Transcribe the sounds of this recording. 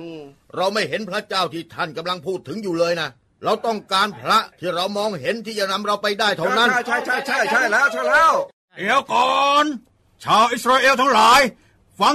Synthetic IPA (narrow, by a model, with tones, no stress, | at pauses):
ɾa˧wma˥˩jɦe˨˦npʰɾa˦˥t͡ɕaː˥˩wt̪ʰiː˥˩t̪ʰa˥˩nka˧mla˧ŋpʰuː˥˩t̪ʰːɯ˩˦ŋjuː˨˩lɤː˧jna˦˥ | ɾa˧wt̪ɔ˥˩ŋkaː˧npʰɾa˦˥t̪ʰiː˥˩ɾa˧wmɔː˧ŋɦe˨˦nt̪ʰiː˥˩t͡ɕa˨˩na˧mɾa˧wpa˧jdaː˥˩jt̪ʰa˧˩na˦˥n˥˩jt͡ɕʰa˥˩jt͡ɕʰa˥˩t͡ɕʰa˥˩jt͡ɕʰa˥˩jlɛː˦˥˨t͡ɕʰa˥˩lɛː˦˥w | ni˨˦wkɔː˨˩n | t͡ɕʰaː˧wʔi˦˥s̚ɾaː˧ʔeː˧wt̪ʰa˦˥ŋlaː˨˦j | fa˧˦